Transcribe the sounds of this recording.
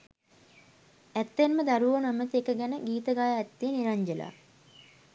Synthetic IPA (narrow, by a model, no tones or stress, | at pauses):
æt̪ːenməd̪aɾuʋonæmət̪iekəɡɛnəɡiːt̪əɡaːjaɛt̪ːejəniɾaɲd͡ʒəla̰